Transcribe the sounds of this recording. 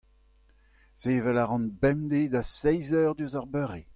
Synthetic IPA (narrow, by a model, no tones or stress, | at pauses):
z̥eːvɛlaʁɑ̃nbɛmd̪ed̪asɛjzœʁd̪yzaʁbøʁe